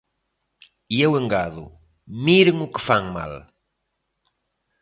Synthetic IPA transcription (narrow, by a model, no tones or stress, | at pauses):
ieweŋɡaðʊ̰ | miɾeŋʊkɪfaŋma̰l